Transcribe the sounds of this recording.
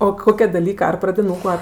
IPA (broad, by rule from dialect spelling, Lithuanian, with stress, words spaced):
oː ˈkoːkʲɛ dɐˈlʲiːkɐ ˈɐr prɐdʲɪˈnuːkʊ ˈɐr